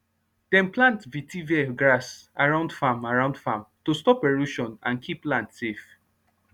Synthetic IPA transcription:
d̥ɛ̃nplãntvitʰiviɛɡɹasaɹãʊ̃ndfamaɹãʊ̃ndfãmtostɔpeɹuʃɔ̃nãnkʰiplãntsef

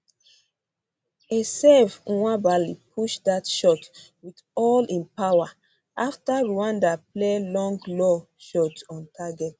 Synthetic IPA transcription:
esɛvwabalipʰuʃdatʃɔt | wit | ɔlĩnpawa | aftaɹuãndaplelɔ̃ŋɡlɔ | ʃɔtɔ̃ntʰaɡɛt

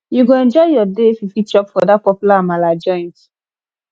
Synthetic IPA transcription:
juɡoɛ̃nd͡ʒɔɪjɔdefifit͡ʃɔpfɔdat̚pɔpjulamalad͡ʒɔ̃nt

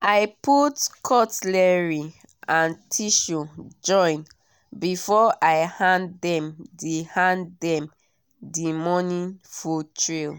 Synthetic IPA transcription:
aɪputkʰɔtlɛɹi | ãntʰiʃud͡ʒɔ̃ɪ̃n | bifɔʔaɪhãndɛ̃mdihãndɛ̃m | dimɔnĩnfutɹil

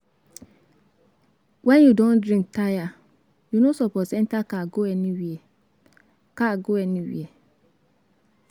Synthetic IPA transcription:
wɛ̃njudõndɹĩŋk̚taja | junosɔpɔtsɛ̃ntakaɡoɛnĩwiɛ | kaɡoɛnĩwḭɛ

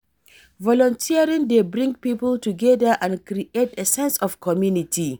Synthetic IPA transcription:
vɔlɔ̃ntʰiaɹĩŋdebɹĩŋɡpipəltuɡɛdəʔãnkɾiʔetesɛ̃nsɔfkʰɔmjunitʰi

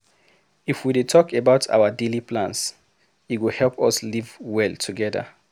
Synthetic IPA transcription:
ifwidetʰɔkebaʊtʰa̰ʊədelipʰlãns | itwihɛlpɔslivwɛlˠtʰuɡɛðə̰

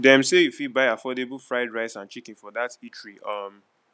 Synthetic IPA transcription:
dɛ̃mseifibaɪafɔdebəlˠfɹaɪdɹaɪsãnt͡ʃikĩnfɔdatit͡ʃʰɹiʌm

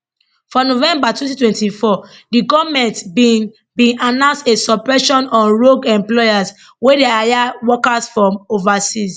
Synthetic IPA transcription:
fɔ̃novɛ̃mbatwɛ̃ntitwɛ̃ntifɔdiɡɔvmɛ̃ntbi | bĩnanãʊ̃nstesɔpɹɛʃɔ̃nɔ̃nɹoɡɛ̃mplɔjas | wedeajawɔkasfɹɔ̃movasis

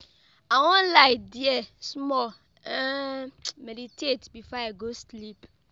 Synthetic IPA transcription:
awɔ̃nlaɪdiɛsmɔl | meditʰetbifɔaɡoslip

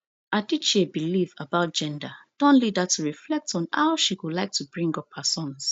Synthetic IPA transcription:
ʔadit͡ʃebilivəbaʊt̚d͡ʒ̥ɛ̃ndad̥ɔ̃nlidətuɹiflɛk̚tʰɔ̃n̩ha̰ʊʃiwulaɪk̚tʰubɹĩŋɡɔphasɔ̃ns

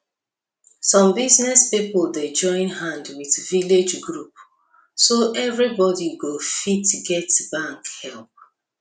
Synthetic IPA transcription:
sɔ̃mbiznɛspiplded͡ʒɔ̃ɪ̃nɦãndwiðviled͡ʒɡɹup | soʔɛvɹibɔdiɡofitɡɛtbãŋkhɛlˠp̚

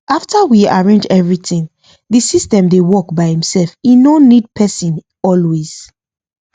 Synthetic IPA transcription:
ʔaftawiaɹẽnd͡ʒɛvɹitĩŋ | ðisistɛ̃mdewɔkbaɪhĩmsɛlfinonːid̚pʰɛsĩn | ɔlwez̥

